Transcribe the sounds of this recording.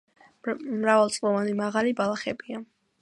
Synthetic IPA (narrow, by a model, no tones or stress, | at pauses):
mɾavalˠt̪sʼlˠɔvanimaʁalibalˠaχɛbia